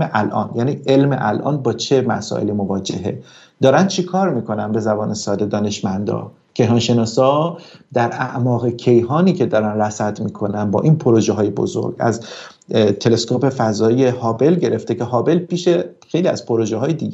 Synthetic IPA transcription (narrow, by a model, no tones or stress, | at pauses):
eʔælʔɒ̰ːnjæːniːʔe̞lmḛʔælʔɒ̰ːnbɒːt͡ʃʰe̞mæ̰sɒ̰ːʔelimo̞vɒːd͡ʒḛɦe̞̰ | d̪̥ɒːɾænd̪t͡ʃʰekʰɒːɾmiːkʰo̞nænbe̞zæbɒːne̞sɒːd̪e̞d̪ɒːne̞ʃmænd̪ɒ̰ː | cʰe̞jɦɒːnʃe̞nɒːsɒːd̪æɾæʔmɒːɣecʰe̞jɦɒːniːcʰe̞d̪ɒːɾænɾæsæd̪miːkʰo̞nænbɒ̰ːʔiːnpʰoɾoʒeɦɒːjebo̰zo̰ɾɡæ̰z | t̪ʰe̞le̞skope̞fæzɒːje̞hɒːbe̞lɟe̞ɾe̞ft̪ece̞ɦɒːbe̞lpiːʃexe̞jliːæ̰z̥pʰoɾoʒeɦɒːjed̪iɡe